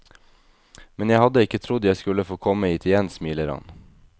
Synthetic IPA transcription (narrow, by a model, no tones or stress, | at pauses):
mɛnjæɪhɑd̪əɪkət̪ʰɾʊd̪əjæɪskʉləfoːkʰɔməiːt̪ʰɪjɛnsmiːləɾɑ̰n